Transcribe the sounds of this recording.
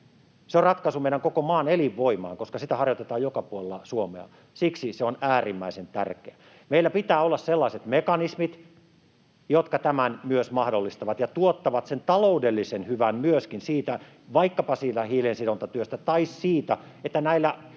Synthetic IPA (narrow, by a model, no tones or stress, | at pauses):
seorrɑt̪kɑsumeiɾæŋkokomɑːneliʋːoimɑ̰ːŋkoskɑsit̪æhɑrjot̪et̪ɑːjokɑpuolelːɑsuomḛɑ̰ | siksiseonæːrimːæisent̪æ̰rkeæ | meilːæpit̪æːolːɑsselːɑiset̪mekɑnismit̪ | jot̪kɑt̪æmænmyøsmɑhdolːist̪ɑʋɑt̪jɑt̪uot̪ːɑʋɑt̪sent̪ɑloudelːisenhyʋænmyøskinsiːt̪æ | ʋɑikːɑpɑsiːt̪æhiːlensidont̪ɑt̪yøst̪æt̪ɑissiːt̪æ | et̪ːænæilːæ